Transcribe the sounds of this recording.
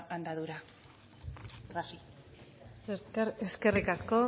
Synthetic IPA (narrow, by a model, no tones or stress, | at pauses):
ʔand̪aðuɾa | a | seɾkaɾeske̞rikasko̞